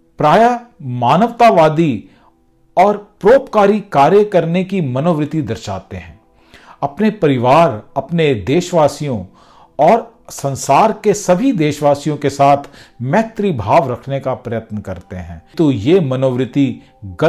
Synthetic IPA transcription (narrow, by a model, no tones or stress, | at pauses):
pɾaːjamaːnəʋt̪aʋaːd̪i | ɔːɾpɾoːpkaːɾikaːɾjəkɐɾnekimɐnoːʋɾɪt̪id̪ɐɾʃa̰ːt̪eɦɛ̃ː | ɐpnepɐɾɪʋaːɾɐpned̪eːʃʋaːsijõ | ɔːɾ | sɐ̃nsaːɾkesɐbʱid̪eːʃʋaːsijõkesaːt̪ʰmɛt̪ɾibʱaːʋɾɐkʰnekapɾɐjət̪nkɐɾt̪eɦɛ̰̃ːt̪ojemɐnoːʋɾɪt̪i | ɡɐ